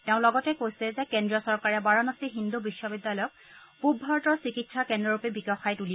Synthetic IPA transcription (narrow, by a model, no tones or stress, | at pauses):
tɛʊ̃lɔɡɔtɛkojsɛzɛkɛndɹiɔsɔɹkaɹɛbaɹɔnɔstiɦindubiʃːɔbidːalɔjɔk̚ | pubʱːaɹɔtɔɹsikitsakɛndɔɹupɛbiɡaxajtuli